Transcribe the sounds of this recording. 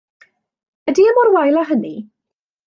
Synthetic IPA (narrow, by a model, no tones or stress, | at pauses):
ədiəmɔrwajlˠaɦəni